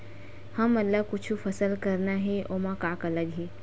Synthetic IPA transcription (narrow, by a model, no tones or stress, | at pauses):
həmːɐt̪ləbkʊt͡ʃʰufʰəsəlkəɾnaɦeʔoːmãkaːkələɡɦe